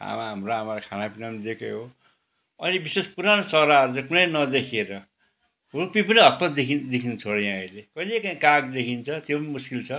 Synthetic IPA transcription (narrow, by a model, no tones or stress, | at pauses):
a̰maɦamroamaɾakʰanapinamd̪ekeɦo | ʌnibisespuɾanosʌɾaʌɾut͡sãĩkunʌjnʌd̪ekʰieɾʌ | rupipʌniɦʌt̪̚pʌd̪ekʰid̪ekʰint͡sʰoɽʌjãʌjlekʌilekaĩkaɡd̪ekʰint͡sʰʌt̪jopʌnimuskilt͡sʰʌ